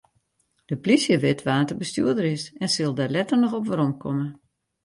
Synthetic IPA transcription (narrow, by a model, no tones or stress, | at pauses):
d̥əplisjəʋɪtʋaːntəbəsty̰ədəɾɪsɛnsɪlˠdalɛtərnɔxɔpʋəɾɔmkʰɔmə